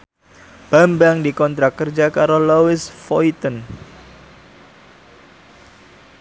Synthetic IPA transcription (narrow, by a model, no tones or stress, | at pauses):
b̥ambaŋdikɔnt̪ɾakərd͡ʒakaɾolowɪsfoit̪ən